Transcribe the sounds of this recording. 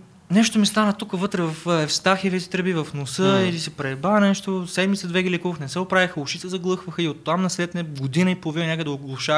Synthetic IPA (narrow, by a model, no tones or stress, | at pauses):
nɛʃt̪omist̪anət̪ukəvɤt̪ɾɛvɐfɛfst̪axivɛt̪i̥t̪ɾɛbivɐfnosəilisɛpɾɛbannɛʃt̪osɛd̪mit̪səd̪vɛɡʲilɛkuvəxnɛsɛopɾavʲixəʊʃit̪ɛzɐɡlˠɤxvəxəiot̪ːamnɐslɛt̪nɛɡod̪inəipolˠovinɐnʲakəd̪ɛoɡlˠʊʃa